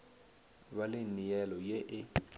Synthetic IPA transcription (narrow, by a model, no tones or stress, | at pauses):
βalenijɛlɔjeʔɪ